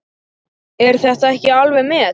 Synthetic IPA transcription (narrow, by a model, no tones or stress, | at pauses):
ɛɾ̥θɛht̪aɛhcɪalvɛmɪ